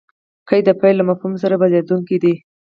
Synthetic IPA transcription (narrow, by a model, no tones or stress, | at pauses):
kəjd̪əpajlːamafhums̬aɾabalad̪uŋkid̪i